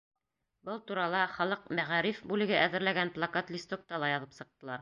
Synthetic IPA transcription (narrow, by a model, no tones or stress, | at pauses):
bɤlˠt̪uɾɑlˠɑχɒlˠɤq̚mæʁæɾifbʉlɘ̆ɡɘʔæðɘ̆ɾlæɡænplˠakat̪lʲist̪ok̚t̪ɑlˠɑjɑðɤpsɤ̆q̚t̪ɤ̆lˠɑɾ